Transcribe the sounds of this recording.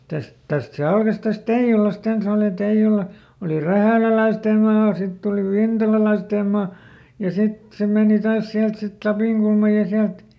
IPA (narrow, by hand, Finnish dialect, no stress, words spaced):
tæst tæst se ɑlkɑs tæst teij̆ulɑst ens oˑli teij̆ulɑ oli ræhæˑlælæisteˑm̆ mɑː sitː oli ʋintɑlɑlɑisteˑm̆ mɑː jɑ sit se meˑni tɑːs siælt sit lɑpiˑŋkulmɑj jɑ siælt